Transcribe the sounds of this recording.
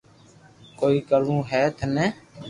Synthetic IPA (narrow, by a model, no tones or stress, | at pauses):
koːiːkəlũːɦɛːt̪ʰnɛː